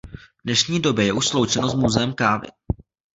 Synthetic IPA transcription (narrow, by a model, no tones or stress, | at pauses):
dnɛʃɲiːdo̞bjɛjɛʔuʃslowt͡ʃɛnozmuzɛɛmkaːvɪ̰